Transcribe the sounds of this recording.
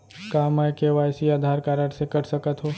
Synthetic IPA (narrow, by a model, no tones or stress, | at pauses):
kaːmaːjkeʋaːjsiaːd̪ʱaːɾkaːɾəɽsekɐʈsəkət̪ɦoː